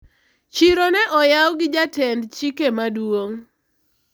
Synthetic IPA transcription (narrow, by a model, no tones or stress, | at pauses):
t͡ʃiɾonɛʔɔjawɡɪd͡ʒatɛndt͡ʃikemadwoŋ